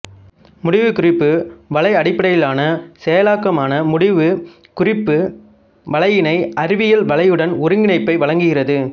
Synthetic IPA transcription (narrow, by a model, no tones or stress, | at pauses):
mʊɽɪʋɯkʊrɪpːɯʋɐɭɐɪɐɽɪpːɐɽɐjɪlaːnɐsɛjɐlaːkːɐmaːnɐmʊɽɪʋɯ | kʊrɪpːɯ | ʋɐɭɐjɪnɐɪɐɾɪʋɪjɐlʋɐɭɐjɯɽɐnʊɾɯŋɡɪɳɐɪpːɐɪʋɐɭɐŋɡɯɣɪrɐðɯ